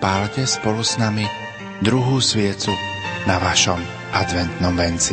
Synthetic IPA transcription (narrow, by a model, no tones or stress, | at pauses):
palcɛspɔlusnami | d̪ɾuɦuːsʋɪɛt͡sunaʋaʃɔm | ʔad̪ʋɛnt̪nɔmʋɛnt͡si